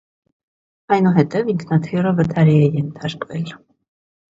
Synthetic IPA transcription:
ɑjnuɦɛt̪ɛviŋkʰnɑt̪ʰirəvət̪ʰɑɾiɛjɛnt̪ʰɑɾkvɛl

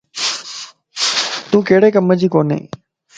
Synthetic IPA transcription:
t̪ũːkeːɽeːkəməd͡ʑiːkoːnḛ̃ː

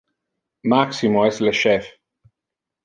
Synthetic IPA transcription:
maksimoɛsleʃɛf

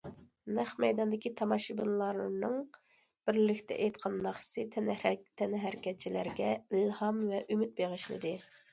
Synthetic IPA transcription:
næχmɛjd̪ɑnd̪ɪkʲit̪ʰɑmɑʃibɨnlˠɑɾnɨŋ | b̥ɪɾlɪkʲt̪ʰɛ̰ʔejt̪qʰɑnːɑχsɨt̪ʰɛnt̪ʰɛnɦæɾkʲʰɛt͡ʃʰilæ̰ɾɡʲɛilhɑmvɛʔymyt̪̚beʁəʃlɨ̰d̪ɪ

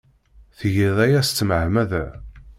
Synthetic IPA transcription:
θʝiðˤæjæst̪ːəmʕmæðæ

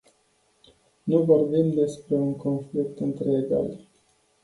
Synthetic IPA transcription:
nuvo̞rbimd̪e̞spɾe̞uŋko̞nflikt̪ɨnt̪ɾeːɡa̰l

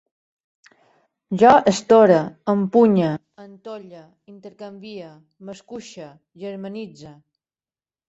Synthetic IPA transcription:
ʒɔʔəst̪oɾəəmpuɲə | ənt̪oʎə | int̪əɾkambiə | məskuʃə | ʒəɾmənid͡zə

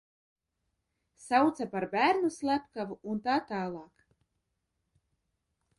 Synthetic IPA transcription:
sawt̪sapaɾbæːɾnuslˠæpkavuunt̪aːt̪aːlˠɑːk

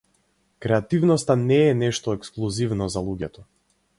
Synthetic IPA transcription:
kɾɛat̪ivnɔst̪anɛːnɛʃt̪ɔɛksklˠuzivnɔzalˠuɟɛt̪ɔ

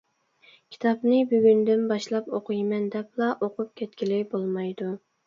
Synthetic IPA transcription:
kʲʰi̥t̪ʰɑpnɪbyɡʲynd̪ɪnbɑʃlˠɑpoqʰʊjmɛnd̪ɛplˠɑʔoqʊp̚kʲʰɛt̪kʲilɪbolˠmɑjd̪u

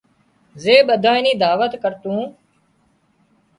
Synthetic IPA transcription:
zeːɓəd̪ʱãːɪniːd̪aːʋət̪kəɾt̪ũː

